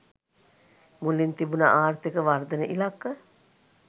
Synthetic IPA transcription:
mulint̪ibunə̰ʔaːrt̪ikəʋard̪ənəʔilakːə

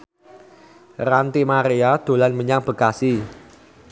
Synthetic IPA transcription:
rant̪imaɾiad̪̥o̤lanməɲaŋb̥ə̤kasi

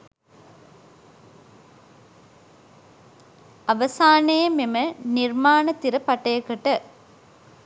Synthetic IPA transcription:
ɐʋɐsaːnejɐmemɐniɾmaːnɐt̪iɾɐpɐʈɐjɐkːɐʈɐ

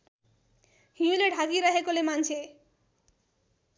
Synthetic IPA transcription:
hĩũleɖʱaɡiɾaɦekolemant͡sʰe

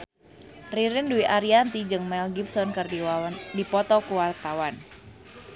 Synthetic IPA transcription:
riɾinduiʔaɾiant̪id͡ʒɨŋmɛlɡipsɔnkɨrdidipɔt̪ɔkuwart̪awan

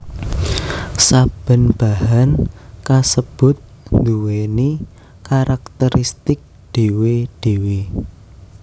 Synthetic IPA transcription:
sab̥ə̤nb̥a̤ɦankasəb̥ʊ̤t̪̚ | nd̪uweni | kaɾak̚t̪əɾist̪ɪk̚ | d̪̥e̤wed̥e̤we

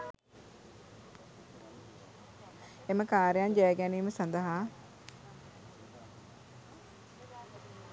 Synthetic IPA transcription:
eməkaːɾjand͡ʒɛjɡæniːməsɐnd̪əɦa

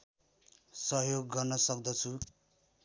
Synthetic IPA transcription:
sʌɦjoɡːʌrnʌsʌk̚d̪ʌt͡sʰu

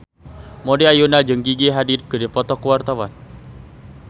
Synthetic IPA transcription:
mɔdeajunad͡ʒɨŋɡiɡiɦadit̪̚kədepɔt̪ɔkuwart̪awan

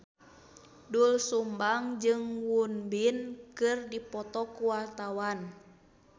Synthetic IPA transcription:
dulsumbaŋd͡ʒɨŋwunbinkɨrdipɔt̪ɔkuwart̪awan

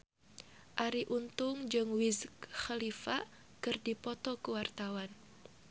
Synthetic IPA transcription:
ʔaɾiʔunt̪ʊŋd͡ʒɨŋwizkxalifa | kɨrdipɔt̪ɔkəwart̪awan

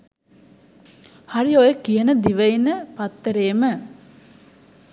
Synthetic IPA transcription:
haɾiojəkijənəd̪iʋəinəpat̪ːəɾeːmə

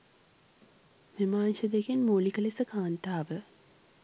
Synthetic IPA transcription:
ʋimaːnʃɐd̪eɡenmoːlikɐlesəkaːnt̪aːʋə

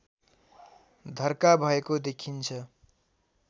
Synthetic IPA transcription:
d̪ʱʌrkabʱʌekod̪ekʰint͡sʰʌ

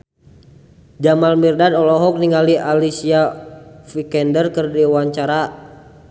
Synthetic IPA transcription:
d͡ʒamalmirdadɔlɔɦɔk̚niŋaliʔalisiafikɛndərkɨrdiwaɲt͡ʃaɾa

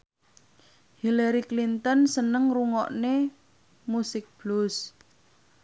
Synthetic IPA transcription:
hilaɾiklint̪ɔnsənəŋruŋɔʔne | musɪk̚b̥lʊs

